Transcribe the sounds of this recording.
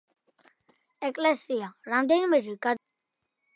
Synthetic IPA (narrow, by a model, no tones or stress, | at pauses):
ɛkʼlɛsiaɾamd̪ɛinmɛd͡ʒikʼad̪